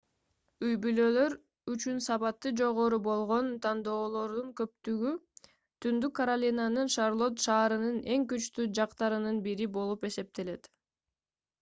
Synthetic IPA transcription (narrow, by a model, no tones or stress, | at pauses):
yjbylø̞ːlø̞ɾ | yt͡ʃynsɑpɑt̪ːɯd͡ʒo̞ʁo̞ɾubo̞lˠʁo̞nt̪ʰɑnd̪o̞ːlˠo̞ɾd̪uŋkø̞p̚t̪yɡy | t̪ʰynd̪ykːɐɾalʲinanɯnʃaɾlˠo̞t̪ʃɑːɾɯnɯne̞ŋkyt͡ʃt̪yd͡ʒɑqt̪ɑɾɯnɯnbiɾibo̞lˠupe̞se̞p̚t̪e̞le̞t̪